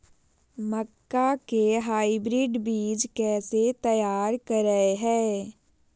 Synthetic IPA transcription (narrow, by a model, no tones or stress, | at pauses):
məkːakeɦaːibɾiːɖbiːd͡ʒkɛːset̪əjaːɾkəɾəeɦɛː